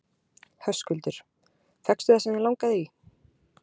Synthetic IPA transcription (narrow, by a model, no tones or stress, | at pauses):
hœskʏlt̪ʏɾ̥ | fɛkst̪ʏθasɪnɪlawŋkaðɪi